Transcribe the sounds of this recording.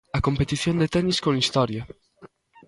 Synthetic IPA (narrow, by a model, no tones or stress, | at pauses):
ɐkompet̪iθjond̪et̪ɛniskõnist̪ɔɾja